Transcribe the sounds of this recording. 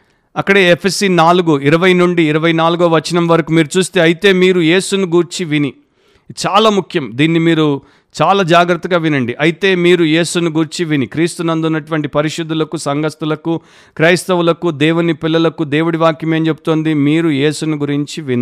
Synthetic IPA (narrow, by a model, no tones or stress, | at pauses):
ɐkːɐɽe̞ːepʰesiːnaːluɡuiɾɐʋɐjnuɳɖiːɾɐʋɐjnaːluɡɐʋɐʋɐt͡ʃːɐnɐmʋɐɾɐkumiːɾut͡ʃuːst̪e̞ːɐjit̪e̞ːmiːɾuje̞ːsunuɡuːɾt͡ʃiʋini | t͡ʃaːlaːmukʰjɐmd̪iːnːimiːɾu | t͡ʃaːlaːd͡ʒaːɡɾɐt̪ːɐɡaːʋinɐɳɖiʔɐjit̪e̞ːmiːɾuje̞ːsunuɡuːɾt͡ʃiʋinikɾiːst̪unɐnd̪unːɐʈuʋɐɳʈipɐɾiʃud̪ːulɐkusɐŋɡɐst̪ulɐku | kɾɐːjst̪ɐʋulɐkud̪ɛːwunipilːɐlɐkud̪eːʋwuɽiʋaːkjɐme̞ːnt͡ʃe̞but̪oːnd̪imiːɾuje̞ːsunuɡuɾiɲt͡ʃiʋin